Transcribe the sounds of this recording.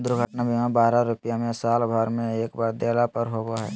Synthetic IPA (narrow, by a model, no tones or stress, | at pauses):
d̪ʊɾɡʱəʈnabʱimãbaːɾaɾʊpɪjamẽsaːlbʱaɾmẽeːkbaːɾd̪eːlapəɾɦoɡoɦɛ̰ː